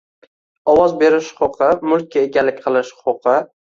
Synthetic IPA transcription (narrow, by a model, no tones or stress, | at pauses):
ɒwɒzbe̞ɾɪʃhʊ̥qʊqʰɨmʊlˠk̚ʲːaeɡʲalːɪk̚ʲqʰɨlˠɪʃʊqʊqʰɨ